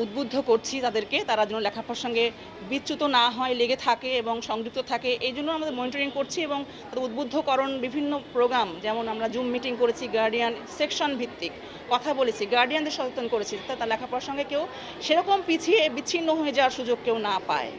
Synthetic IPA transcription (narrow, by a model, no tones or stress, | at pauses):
ud̪̚bud̪ʱːokoɾt͡ɕʰit̪ad̪eɾket̪aɾad͡ʑonːolɛkʰapaɾʃɔŋɡe | bitːɕut̪onaɦɔeleɡet̪ʰakeeboŋʃɔŋɡɾik̚t̪ot̪ʰakeʔejd͡ʑonːoamad̪eɾmoniʈoɾiŋkoɾt͡ɕʰieboŋt̪ad̪eɾud̪̚bod̪ʱːokɔɾonbibʱinːopɾoɡɾamd͡ʑɛmonamɾad͡ʑumːiʈiŋkoɾet͡ɕʰiɡaɾɖiansekʃonbʱit̪ːikː | ɔt̪ʰabolet͡ɕʰiɡaɾɖijand̪eɾʃɔt̪ot̪ːonkoɾet͡ɕʰid͡ʑat̪ʰːat̪aɾlɛkʰapoaɾʃɔŋɡekew | ʃeɾɔkompit͡ɕʰiebit͡ɕʰinːoɦoed͡ʑawaɾʃud͡ʑoɡ̚kewnapa̰e